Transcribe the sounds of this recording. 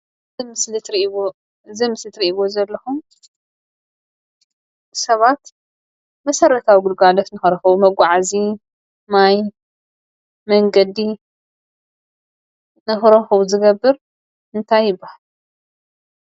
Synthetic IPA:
mɨslɨt̪ɾi | zɐmɨslɨt̪ɾiʔβozɐlːɐxum | sɐβat̪ | mɐsɐɾːɐt̪ʰawiɡɨlɡalot̪nɨxɐɾɐxɐwumɐɡʷaʕazi | maj | mɐŋɡɐd̪i | nɨxɨɾɐxɐwuzɨɡɐbːɨɾ | ʔɨnt̪ʰajːɪbːahal

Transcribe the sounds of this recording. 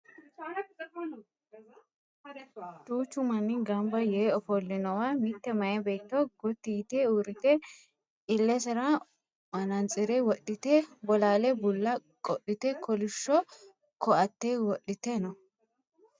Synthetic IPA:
d̪uːt͡ʃːʊmɐnːɪɡɐmbɐjeːɔfɔlːɪnɔwamɪt̪ːɛmɐjɛbeːt̪ːɔɡɔt̪ːiːt̪euːɾɪt̪ɛ | ɪlːɛsɛɾa | mɐnɐnt͡sʼɪɾɛwɔɗɪt̪ɛbɔlaːlɛbʊlːɐ | kʼɔʔɪt̪ɛkʰɔlɪʃːɔ | kɔɐt̪ːeːwɔɗːɪt̪ɛnɔ

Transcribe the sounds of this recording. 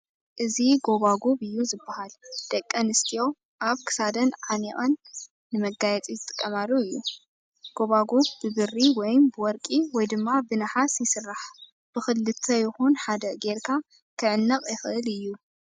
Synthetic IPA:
ʔɨziɡo̞βaɡoβɨjːuzɨbːahald̪̥ɐkʼːɐnɨst̪ʰijo̞ | ʔaβkʰɨ̥sad̪ɐnʕaniʔʼɐnː | ɨmɐɡajɛt͡sʼizɨt̪ʼɨkʼːɐmalːuɨjːu | ɡ̥o̞βaɡoβbɨβɨrːiwɔjmbɨwɔɾkʼiwɔjd̪ɨmːabɨnɐħasjɪsɨrːaħ | b̥ɨxɨlːɨt̪ʰːɐjɪxunħad̪ɐɡeɾkʰa | kʰɨʕɨnːɐqʼjɪxɨʔɨlɨjːu

